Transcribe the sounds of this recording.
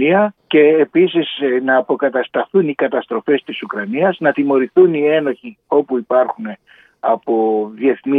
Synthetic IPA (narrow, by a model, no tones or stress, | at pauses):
iɐce̞ːpisisnɐːpo̞kɐt̪ɐst̪ɐθunikɐt̪ɐst̪ɾo̞fe̞st̪isukɾɐniɐznɐt̪imo̞ɾiθunie̞no̞çi | o̞puipɐɾxune̞ | ɐpo̞ðie̞θni